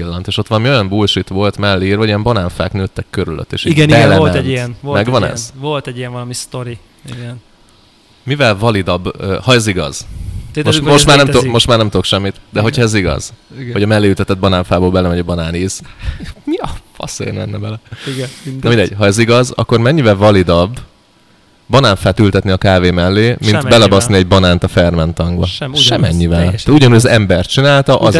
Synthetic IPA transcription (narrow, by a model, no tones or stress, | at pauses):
ilːɒnt̪eːʃo̞t̪ːʋɒlɒmio̞jɒmbulʃit̪ʋo̞lt̪mɛlːeiːrvɒɟijɛmbɒnaːɱfaːknøːt̪ːɛkːøɾylø̰t̪ːḛːʃiiɡɛniɛɛɛlɛijɛnvomɛɡʋɒnɛ̰z̥volt̪ɛɟijɛɱvɒlɒmist̪oɾi | iɡɛn | mivɛlvɒlid̪ɒbøhɒɛziɡɒ̰z̥moʃmoʃtmaːɾnɛmmo̞ʃtmaːɾnɛmt̪ud̪o̞kʃɛmːit̪d̪ɛɦo̞cʰhɒɛziɡɒ̰z̥hoɟɒmɛlːeːjyt̪ɛt̪ɛd̪̚bɒnaːɱfaːboːlbɛlɛmɛɟɒbɒnaːniːz̥mipɒ̰sḛnɛ̰nːɛbɛlɛ | nɒmind̪ɛɟ̥̚ɦɒɛziɡɒzɒ̰kːo̞rmɛɲːivɛlvɒlid̪ɒb | ɒnaːɱfaːt̪ylt̪ɛt̪niɒkaːveːmɛlːeːminbɛlɒbɒzniɛɟbɒnaːnt̪ɒfɛrmɛnt̪ɒŋɡbɒʃɛmɛɲːivɛlt̪ːt̪uɟɒnuːɟɒzɛmbɛrt̪̚t͡ʃinaːlt̪ɒʔz